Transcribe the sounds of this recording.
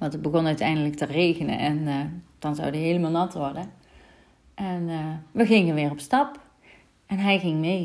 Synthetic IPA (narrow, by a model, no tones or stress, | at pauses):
ʋɑntəbəɣɔnœɥtɛjndələk̚tərejɣənə̰nʔɛnd̥ɑnzɑ̰wdəɦejləmɑːlˠnɑtʋɔrdə | ʔɛnʋəɣɪŋənʋɪːrɔpstɑp | ɛnɦɛjɣɪŋmej